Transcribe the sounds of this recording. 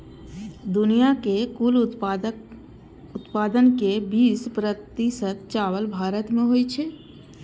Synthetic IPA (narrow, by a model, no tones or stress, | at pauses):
d̪ʊnijakekul | ʊt̪paːd̪ənkebiːspɾət̪isət̪t͡ʃaːwəlbʱaːɾət̪mẽɦojt͡ʃʰe